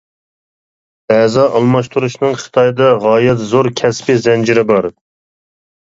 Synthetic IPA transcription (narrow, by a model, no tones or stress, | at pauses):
ɛzɑʔɑlˠmɑʃt̪ʰuɾuʃnɨŋχə̥t̪ʰɑjd̪ɑʁɑːjɛt̪zoɾkʲʰɛspɪzɛnd͡ʒiɾɪbɑɾ